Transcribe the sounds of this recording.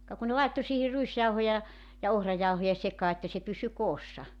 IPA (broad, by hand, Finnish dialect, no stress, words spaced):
kɑ ku ne lɑitːo siːhi ruisjɑuhojɑ jɑ ohrɑjɑuhojɑ sekɑː etːæ se pysy koːsːɑ